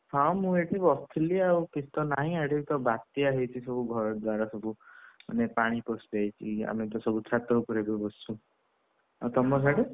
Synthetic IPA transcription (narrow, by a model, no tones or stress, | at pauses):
hɔ̃mũeʈʰipɔst̪ʰiliawkisʰt̪ɔnaɦĩaɽet̪ɔbat̪jaɦet͡ʃʰisɔbuɡʱɔɾɔd̪waɾɔsɔbuma̰nepaɽ̃ipɔspajt͡ʃʰia̰met̪ɔsɔbut͡ʃʰat̪ɔpɔɾebɔbɔsu | awt̪ɔmɔs̬aɽe